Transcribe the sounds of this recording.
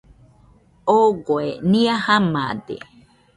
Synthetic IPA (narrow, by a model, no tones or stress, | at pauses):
oɡoeniahama̰d̪ḛ